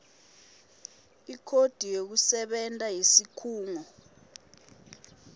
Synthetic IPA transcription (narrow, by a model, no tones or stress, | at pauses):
ikʰod̥ʱijok̬usɛɓɛntʼajisikʰuːŋɔ